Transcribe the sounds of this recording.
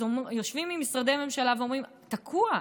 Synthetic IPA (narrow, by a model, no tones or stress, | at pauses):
ojo̞ʃvimːimisʁad̪ejame̞mʃalaveo̞mʁim | t̪akʰua